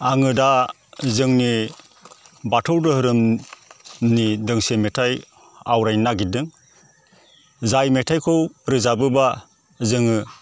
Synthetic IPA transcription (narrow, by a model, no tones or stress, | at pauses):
aŋɯda | zɯŋni | batʰɔwdɯhɯɾɯm | nidɯŋsemetʰaj | awɾajnaɡidɯŋ | zajmetʰajkʰɯwɾɯzabɯba | zɯŋɯ